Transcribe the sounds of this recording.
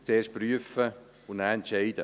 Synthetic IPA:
t͡seːʃt̚pryəfə | ʊnnæːɛntt͡ʃɛɪd̥ə̰

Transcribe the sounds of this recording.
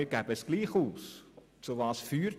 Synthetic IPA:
iɡ̥ɛbəəsɡ̥liːχuːs | t͡suvɑːsfyːɾ

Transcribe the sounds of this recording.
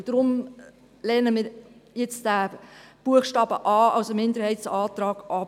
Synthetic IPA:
d̥ɾʊm | lɛnəmiːɾjɛt͡sd̥æb̥uəχʃtɑːbəʔɑːɑwsəmɪndəɾhɛɪtsɑːtrɑːkʔɑ

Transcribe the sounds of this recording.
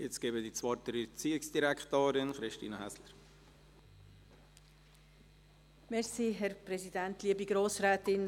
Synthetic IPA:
jɪt͡sɡ̥eːbədit͡svɑɾt̪əɾət͡siːɪksd̥iɾɛkχtoːɾɪnχɾɪʃtḭːnəhæsləɾ | mɛsiːɦɛɾpɾɛzidæntliːəbiɡɾoːsɾɛːtɪn

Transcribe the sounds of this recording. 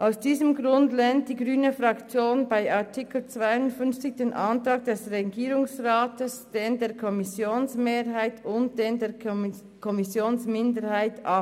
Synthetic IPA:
ʔaʊsd̥iːzəmɡʁʊndlɛnt̚d̥iːɡʁyːnəfʁɑkt͡sjoːnbaɪʔaɐtʰɪkl̩t͡sv̥aɪʊntfʏnft͡sɪçd̥eːnʔantʁaːk̚d̥ɛsʁɛɡiːɾʊŋsʁaːtəsd̥eːndeːɐkʰɔmɪsjoːnsmeːɾhaɪtʊnt̚d̥eːndeː | kʰɔmɪsjoːnsmɪndəɾhaɪtʔa

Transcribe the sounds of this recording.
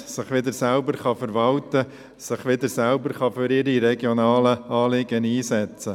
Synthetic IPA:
sɪχʋɪd̪əɾsælbəɾχɑfəɾʋɑlt̪ə | sɪχʋɪd̪əɾsælbəɾχɑfʏɾɪɾiɾɛɡjonɑːləɑːlɪɡəniːsɛt͡sə

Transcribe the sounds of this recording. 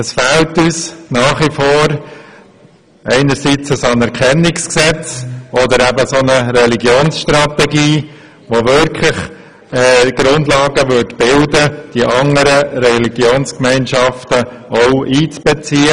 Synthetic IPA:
əsfɛltyːsnɑːχʋifoːɾ | ɛɪnəɾsit͡səsɑnɛɾkʰɛnːɪksksɛt͡sɔdəɾæbəsonəɾɛliɡjoːnsʃtɾɑtɛɡiː | ʋoʋʏɾkʰlɪχ | ɛːɡ̥ɾʊndlɑːɡəʋʏɾtb̥ɪldəd̥iʔɑŋəɾəɾɛliɡ̥joːnskmɛɪnʃɑftəoʊiːt͡sb̥ɛt͡siːə

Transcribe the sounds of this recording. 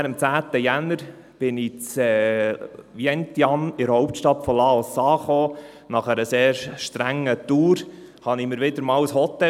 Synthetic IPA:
ɾəmt͡sæːt̪əjænəɾ | b̥ɪnɪt͡sɛː | ʋjɛnt̪jɑnɪɾhɔʊp̚tʃtɑtfɔlɑosɑːχoː | nɑχæɾəseːɾʃtɾæŋːət̪uːɾhɑnimɪɾʋɪd̪əɾmɑːwəshɔt̪ːɛ

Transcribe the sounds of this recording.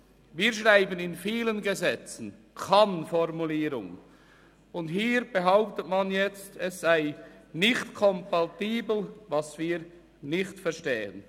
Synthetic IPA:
viːɐʃʁaɪbənɪnfiːlənɡəzɛt͡sn̩ | kʰanfɔrmuliːɾʊ̰ŋ | ʊnthiːɾb̥əɦaʊp̚tətmanjɛt͡stʰɛsz̥aɪnɪçtkʰɔmpatiːbl̩vɑsv̥iːʁ | nɪçtfɛɐʃteːə̰n

